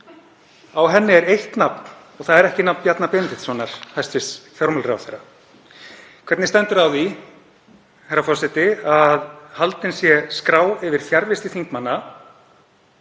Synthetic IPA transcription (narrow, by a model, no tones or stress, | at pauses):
awɦɛnːɪɛɾejht̪napn | ɔɣθaðɛɾɛhcɪnapnpjat̪napent̪ɪt̪svɔnaɾ̥hajst̪vɪsfjɔɾmʏlrɛawθejɾa | kʰvɛt̪nɪst̪ɛnt̪ʏɾawði | hajɾːafɔrsɪt̪ɪaðhalt̪ɪnsjɛskɾaːwɪvɪɾ̥θjaɾvɪst̪ɪθiŋkmanːa